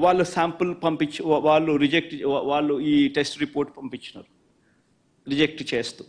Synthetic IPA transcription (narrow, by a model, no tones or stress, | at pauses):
ʋaːɭːusaːmpɐlpɐmpit͡ʃːiʋaːɭːuɾid͡ʒek̚ʈʋaːɭːuiːʈesʈɾipoːɾʈpɐmpit͡ʃːinɐ̰ɾu | ɾid͡ʒek̚ʈt͡ʃe̞ːst̪u